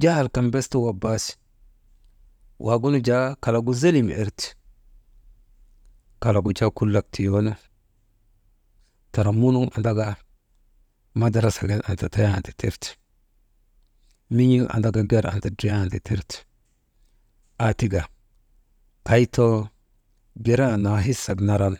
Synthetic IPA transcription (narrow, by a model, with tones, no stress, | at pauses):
d͡ʒa˦˨lka˨mbe˦stu˦wa˨ba˦si̥ | wʔa˨ɡu˦nu˦d͡ʒa˦ka˨la˨ɡu˦ze˦li˦m̰˨e˦ɾti̥ | ka˨la˨ɡu˨t͡ʃa˦ku˦lːa˨k̚ti˨jo˦na˦ | ta˨ɾa˨mu˦nu˦ma̰˨nda˦ɡa˦ | ma˦da˦ɾa˨sa˨ɡe˦la˨nta˨ta˦ja˦a˨ti̥˨te˦ɾt | mi˦ɲi˦lʔa̰˨nda˦ɡa˨ɡe˦ɾa̰˨nta˨dɾe˦a˨nti˨te˦ɾt | a˨ti˦ɡa˨ | ka˨˦jto˦ | ɡe˦ɾa˦˨na˨ɦi˦sa˨ɡna˦ɾa˦n˨